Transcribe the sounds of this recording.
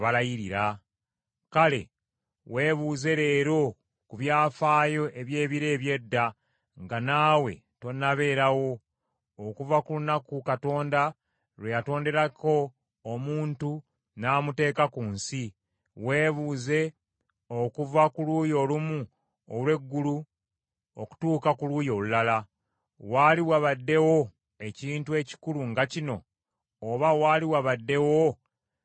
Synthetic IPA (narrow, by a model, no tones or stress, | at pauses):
βalajiɾiɾa | kale̞̰ | we̞ːβuːze̞ɾe̞ːɾo̞ | kuβjaːfaːjo̞ʔe̞βje̞ːβiɾe̞ːβje̞dːa | ŋɡanaːwe̞̰ | to̞naβe̞ːɾawo̞ː | kuvakulunakukato̞ːnda | ɾwejato̞ːnde̞ɾako̞ː | muːntu | naːmute̞ːkakuːnsi | we̞ːβuːze̞ | o̞kuvakuluːjo̞lumu | o̰lwe̞ɡːulu | oku̥tuːkakuluːjo̞lulala | waliwaβadːe̞wo̞ | e̞ciːntue̞ci̥kuluŋɡacino̞ː | βawaːliwaβadːe̞wo